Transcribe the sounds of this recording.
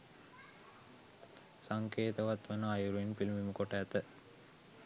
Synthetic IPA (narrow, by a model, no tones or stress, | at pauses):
saŋkeːt̪əʋat̪ʋənəajuɾuinpilimiməkoʈəːt̪ə